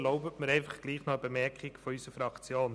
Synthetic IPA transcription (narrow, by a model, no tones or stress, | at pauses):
lɔʊbətməɾɛɪnfɑχɡ̥liːχnɔəbemɛɾkχɪkfɔysəfɾɑkt͡sjoːn